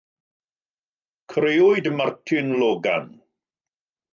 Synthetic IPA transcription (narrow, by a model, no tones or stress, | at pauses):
kʰreːʊɨdmartʰɪnlɔːɡa̰n